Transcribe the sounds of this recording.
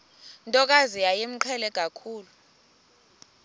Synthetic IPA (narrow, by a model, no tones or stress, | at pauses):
ntʼɔk̬azijajem̩ǃʰɛlɛk̬ʼakʰuːlu